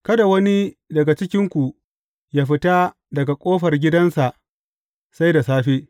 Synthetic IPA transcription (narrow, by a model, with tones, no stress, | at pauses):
kɐ˦da˨wɐ˦ni˦ | dɐ˨ɡa˨t͡ʃɪ˦kʲɪ˦ŋkʷu˨ | jaː˦ɸɪ˦ta˦ | dɐ˨ɡa˨kʷʼoː˦ɸɐ˨rɡʲɪ˦dɐ˦nsa˨ʔ | sa˦jda˨saː˦ɸeː˦